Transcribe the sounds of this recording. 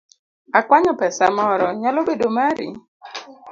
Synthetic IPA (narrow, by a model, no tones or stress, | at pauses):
akwaɲɔpɛsamɔɾɔɲalobedomaɾḭ